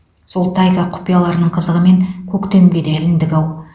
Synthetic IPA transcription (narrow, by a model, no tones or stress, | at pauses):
so̞lˠt̪ʰɑjkaqʰʊ̥pijalˠɑɾənəɴqʰəzəʁəme̞ŋkʲʰɵkt̪e̞mɡʲe̞d̪eælɪnd̪ɪɡʲɑw